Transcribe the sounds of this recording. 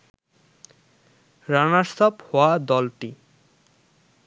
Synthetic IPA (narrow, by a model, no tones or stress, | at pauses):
ɾanast̪ʰɔphɔad̪ɔlʈi